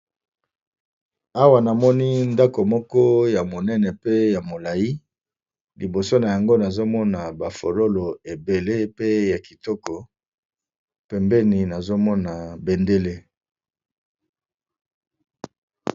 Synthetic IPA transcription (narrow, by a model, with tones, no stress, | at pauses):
a˦wa˨na˨mɔ˦ni˦nda˦ko˨mɔ˦kɔ˦ja˨mo˨nɛ˦nɛ˨pe˦ja˨mo˨la˨ji˦ | li˨bo˨so˦na˨ja˨ŋɡo˦na˨zo˦mɔ˦na˨ba˨fo˨lo˦lo˨e˨be˨le˦pe˦ja˨ki˨tɔ˦kɔ˨ | pɛ˨mbɛ˦ni˨na˨zo˦mɔ˦na˨be˨nde˦le˦